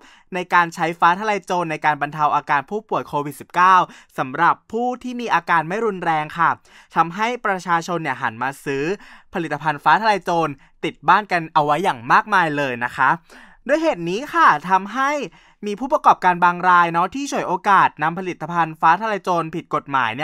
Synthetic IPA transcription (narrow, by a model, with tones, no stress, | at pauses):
na˧jkaː˧nt͡ɕʰa˦˥jfaː˦˥t̪ʰa˧la˧jt͡ɕoː˧nːa˧jkaː˧nba˧nt̪ʰa˧wʔaː˧kaː˧npʰuː˥˩pu˨˩əjkʰoː˧wi˨˩t̪̚si˨˩p̚kaː˥˩wsa˩˦mɾa˨˩pʰːuː˥˩t̪ʰiː˥˩miː˧ʔaː˧kaː˧nma˥˩jɾu˧nɾɛː˧ŋkʰa˥˩ | t̪ʰa˧mɦa˥˩jpɾa˧t͡ɕʰaː˧t͡ɕʰo˧nːi˥˩ɐɦa̰˩˦nmaː˧sɯː˦˥pʰa˧li˨˩t̪ːa˧pʰa˧nfaː˦˥t̪ʰa˧la˧jt͡ɕoː˧n | t̪i˨˩t̪̚baː˥˩nka˧nʔa˧wːa˦˥jːaː˨˩ŋmaː˥˩k̚maː˧jlɤː˧jna˦˥kʰa˦˥ | du˧˩əjɦeː˨˩t̪̚niː˦˥xʰa˥˩t̪ʰa˧mɦa˥˩j | miː˧pʰuː˥˩p̬ɾa˧kɔː˨˩p̚kaː˧nbaː˧ŋɾaː˧jnɔ˦˥t̪ʰiː˥˩t͡ɕʰu˨˩əjʔoː˧kaː˨˩t̪̚na˧mpʰa˧li˨˩t̪ːa˧pʰa˧nfaː˦˥t̪ʰa˧la˧jt͡ɕoː˧npʰi˨˩t̪̚ko˨˩t̪̚ma̰ː˩˦jni˥˩